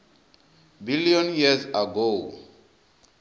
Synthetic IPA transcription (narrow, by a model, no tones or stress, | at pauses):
biliɔ̃njizaɡo